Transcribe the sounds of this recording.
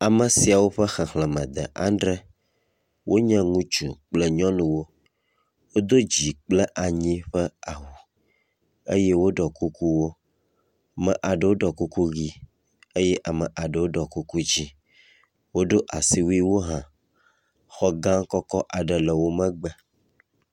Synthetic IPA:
a˨mə̃˨si˨a˨wo˦ɸə˦xɛ˨xlɛ̃˨mə̃˨d̪ə̰˨ʔã̰˦nɖɾɛ˦ | wʔo˦ɲɛ̃˦ŋũ˦t͡ʃṵ˨k͡plə˦ɲɔ̃˦nũ˨wo˦ | wo˦d̪o˦d͡ʑi˨k͡plə˦ʔa˨ɲĩ˦ɸə˦a˨wu˨ | ə̰˦je˦wo˦ɖɔ˨ku˦ku˦wo˦ | mɛ̃˨ʔa˨ɖə˨wo˦ɖɔ˨ku˦ku˦ɣi˦ | ə˦jɛ˦ʔa˨mə̃˨ʔa˨ɖə˨wo˦ɖɔ˨ku˦ku˦d͡ʑi˦ | wo˦ɖo˦ʔa˨si˦wu˦i˦wo˦ɦã˨ | xɔ˦ɡã˦kɔ˦kɔ˦ʔa˨ɖə˨lə˨wo˦mɛ̃˦ɡ͡bɛ˨

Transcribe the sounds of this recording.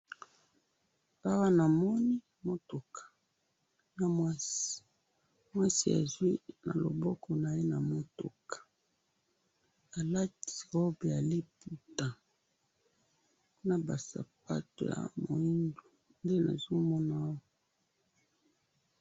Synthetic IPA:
a˦wa˦na˨mɔ˦ni˦ | mo˦to˨kʰḁ˨ | na˦mwa˦si̥˨ | mwa˦si˨a̰˨zwi˦na̰˨lo̰˨bɔ˦kɔ˨na˨e˦na˨mo˦to̰˨kḁ˨ | a˨la˦ti̥˨ɣɔ˦bi˨a˨li˦pu˨ta˨˦ | na˨ba˨sa̰˨p̚a̰˦to̰˨ja̰˨mo̰˨i˦ndo˨ | nde˦na̰˨zo˦mɔ˦na˨a˦wa˨

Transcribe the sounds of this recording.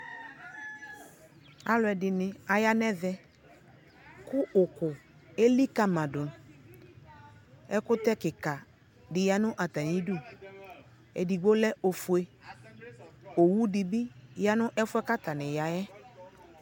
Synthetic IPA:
a˨lʊ˨ɛ˨dɪ˨nɪ˨a˨ja˦nɛ˦ðɛ˦ | kʊ˦ʔʊ˨kʊ˨ | e˦li˦ka˦mã˨dʊ˨n | ɛ˦kʊ˦t̪ɛ˦kɪ˨ka˨ | dɪ˨ja˦nʊ̃˦ʔa˨t̪a˨ni˦du˦˨ | ɛ̰˨di˨ɡ͡bo˦lɛ˦o˨fʊ˨e˦ | o˨wu˦dɪ˨bi˦ja˦nʊ̃˦ʔɛ˦fʊ˦ɛ˦ka˦t̪a˨nɪ˨ja˨jɛ˦

